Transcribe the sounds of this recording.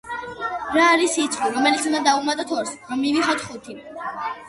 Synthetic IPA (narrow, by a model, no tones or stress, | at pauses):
ɾaːɾisit̪sʰʼχiɾɔmɛlit̪sund̪ad̪aumat̪ʼat̪ʰɔɾsʁmiviχɔt̪ʰχut̪ʰi